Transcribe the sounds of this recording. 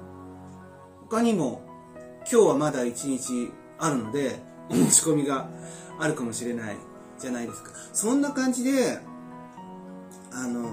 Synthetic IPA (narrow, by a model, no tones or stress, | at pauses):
ho̞kaɲ̟imo̞ | kʲo̞ːβamad̪ait͡ɕiɲ̟it͡ɕi | aɾɯ̟no̞d̪e̞ | omoɕi̥ko̞mʲiɡaːɾɯ̟kamo̞ɕiɾe̞naḭ | d͡ʑanaid̪e̞sɨ̥kḁ | sõ̞nːakãɲ̟d͡ʑid̪e̞ | ano̞